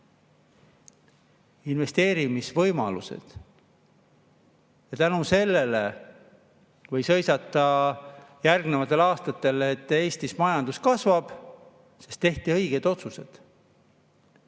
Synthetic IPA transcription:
inve̞st̪e̞ːɾimisvɤjmɑlṵsḛd̪̥ | jɑt̪ænuse̞lːe̞le | vɤ̞jsɤ̞jsɑt̪ːˑɑ | jærɡnevɑt̪ːˑe̞lɑːst̪ɑt̪ːˑe̞let̪ːˑe̞ːsʲt̪ismɑjɑnd̪̥uskɑsvɑb̥ | se̞st̪e̞ht̪iɤ̞jɡ̥e̞d̪̥o̞t̪suse̞d̪̥

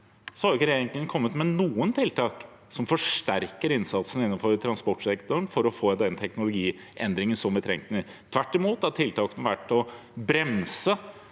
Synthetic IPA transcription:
sɔhɑɾɪkːəɾɛjeːɾɪŋənkʰɔmːət̪mɛnuːənt̪ʰɪlt̪ʰɑːk | sɔmfɔʂʈæɾkəɾɪnsɑt̪sənɪnːənfɔɾt̪ʰɾɑnspɔʈʂɛkt̪ʊɳfɔɾɔfoːd̪ɛnt̪ʰɛknʊlʊɡiː | ʔɛnd̪ɾɪŋənsɔmʋɪt̪ʰɾɛ̰ŋt̪nət̪ʰʋæʈːɪmuːt̪hæʈʰɪlt̪ʰɑːkənʋæʈːɔ | bɾɛmsə

